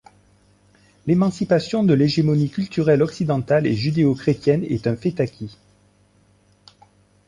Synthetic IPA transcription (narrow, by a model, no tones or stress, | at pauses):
lemɑ̃sipasjɔ̃d̪əleʒemɔnikʲylt̪yʁɛlɔksid̪ɑ̃t̪alḛʒyd̪eokχet̪jɛnɛ̰t̪ɛ̃fet̪akʲʰi